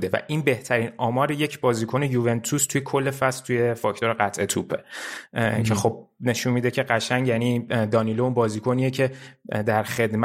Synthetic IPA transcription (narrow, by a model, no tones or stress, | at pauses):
d̪evæ̰ʔinbe̞ht̪ʰæɾinɒːmɒːɾeje̞cʰbɒːziːkʰo̞ne̞juve̞nt̪ʰust̪ʰujekʰo̞lːe̞fæst̪uje̞fɒːct̪o̞ɾeɢæt̪ʰʔe̞t̪ʰuːpʰe | cʰexo̞b̥̚ne̞ʃunmiːd̪ecʰe̞ɢæʃæŋjæniːd̪ɒːnilounbɒːziːkʰo̞niːjecʰe̞d̪æɾχe̞d̪m